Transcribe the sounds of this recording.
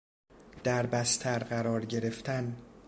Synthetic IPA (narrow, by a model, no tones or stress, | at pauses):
d̪̥æɾbæst̪ʰæɾɢæɾɒːɾɟe̞ɾe̞ft̪ʰæn